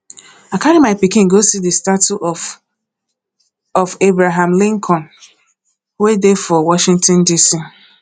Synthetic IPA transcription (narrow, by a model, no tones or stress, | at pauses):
akʰaɾimaɪpikɪ̃ŋɡosidəstatuʔ | ɔfebɾaɦãmlɪ̃ŋkʰɔ̃n | wedefɔwɔʃĩŋtɔ̃ndisi